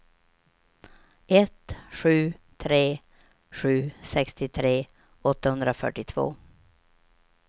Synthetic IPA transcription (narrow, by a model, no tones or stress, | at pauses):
ʔɛt̪ɧʉ̟ːt̪ʰɾeː | ɧʉ̟ːsɛkst̪ɪt̪ʰɾeː | ɔt̪ːahɵnd̪ɾafœ̰ʈːɪt̪ʰvo̰ː